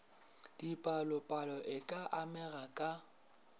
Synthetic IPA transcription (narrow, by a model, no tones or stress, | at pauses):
d̥ipʼalʊpʼalɔʔɪkʼaʔamɛrakʼa